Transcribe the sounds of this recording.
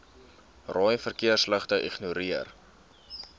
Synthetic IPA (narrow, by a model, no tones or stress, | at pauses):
rɑːjnfərkiərsləχtəʔiχnuɾiər